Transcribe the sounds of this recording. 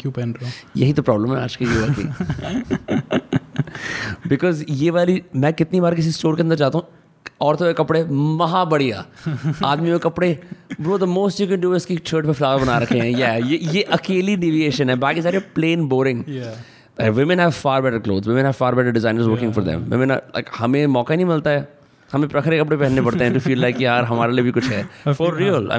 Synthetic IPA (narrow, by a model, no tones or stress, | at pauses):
kjupɛnjɐɦit̪opɾɔːblə̃mɦɛaːd͡ʒkijeːʋəɾkḭ | bɪkɔːzjeːʋaːlimɛ̃ːkɪt̪nibaːɾk̬ɪs̬isʈoːɾkeɐ̃nd̪əɾt͡ʃaːt̪aɦũ | ɔːɾt̪ʰoekɐpɽemɐɦãbɐɽija̰ːaːd̪miõekɐpɽebɾoːd̪əmoːsʈjukɛ̃nɖuːɪskit͡ʃʰəːʈpeflaːʋəɾbɐnaːɾɐkʰẽɦɛ̃jæːjejeʔɐkeːlinɪʋieːʃə̃nɦɛbaːkizaɾeplẽːnboːɾɪ̃ŋ | aɪkʋɪmɪ̃nɦɛʋfaːɾbɛʈəɾklo̰ːd̪zʋɪmɪ̃nɦɛʋfaːɾbɛʈəɾɖɪzãɪ̃nəɾzʋəːɾkɪ̃ŋɡfɔɾd̪ɛ̰̃mʋɪ̰mɪ̃n̰la̰ɪkhɐmẽmɔːkañĩmɪlt̪aɦɛː | hɐmẽpɾɐkʰɾekɐpɽepɛɦɛ̃nːepɐɽt̪ẽɦɛ̃ʈufiːlːaɪkjaːɾɦɐmaːɾeliebʱikʊt͡ʃʰɦɛːfɔɾːiːəla̰